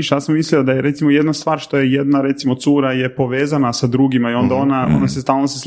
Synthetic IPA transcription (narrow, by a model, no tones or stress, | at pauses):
ʃjaːsamːisliod̪ajeɾe̞t̪simojed̪nast̪ʋaːɾʃt̪o̞jejed̪naɾe̞t̪simo̞t̪suːɾajepo̞ʋeːzanasad̪ɾuːɡimaio̞nd̪ao̞nao̞̰nasest̪aːlˠnoses